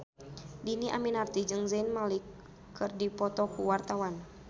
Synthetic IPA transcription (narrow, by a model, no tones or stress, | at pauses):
diniʔaminart̪id͡ʒɨŋzanmalikʰː | ɨrdipɔt̪ɔkuwart̪awan